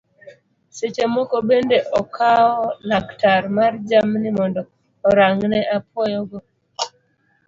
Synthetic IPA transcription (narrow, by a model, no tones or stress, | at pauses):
set͡ʃemɔkɔbendeʔɔkʰaɔlaktaɾmard͡ʒamnimɔndɔː | ɾaŋnɛʔapwɔjɔɡɔ